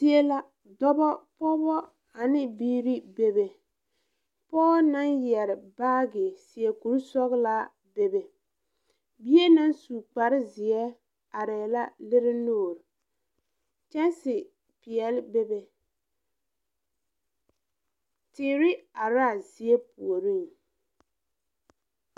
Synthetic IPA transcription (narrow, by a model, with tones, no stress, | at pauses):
i˦e˦la˦ | dɔ˦bɔ˦pɔ˦bɔ˦ | a˨nɪ˦biː˦ɾi˦be˦be˨ | pɔː˦na˦njɛ˨ɾɪ˨baː˦ɡɪ˨si˨ɛ˨ku˨ɾsɔ˦ɣla˦ | be˦be˨ | bi˦e˦na˦nsu˨k͡pa˨ɾɪ˦zɪ˨ɛ˦ | a˨ɾɛː˨la˦lɪ˦ɾɪ˦noː˦˨ɾ | t͡ʃɛ˦nsɪ˨ | pɪ˨ɛ˨lɪ˦be˦be˦ | tɪː˨ɾɪ˦a˨ɾaː˦˨zi˨ɛ˦pu˨o˨ɾi˦˨ŋ